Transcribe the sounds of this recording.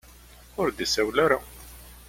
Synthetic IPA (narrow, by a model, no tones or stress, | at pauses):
ʊɾd̪isæwlaɾa